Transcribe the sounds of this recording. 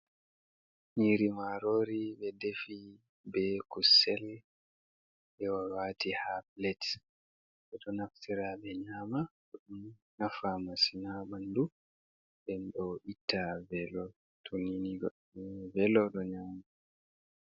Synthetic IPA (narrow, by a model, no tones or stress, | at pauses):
ɲiːɾimaɾoːɾibɛdefi | bɛkusɛl | ɓɛwawaːtihaplɛt | ɓɛɗɔnaftiɾaɓɛɲaːmaɗɔɗumnafamasinaɓandu | ɗɛnɗɔʔitːavɛlɔ | tʰuniniɡ | vɛlɔɗɔɲaːma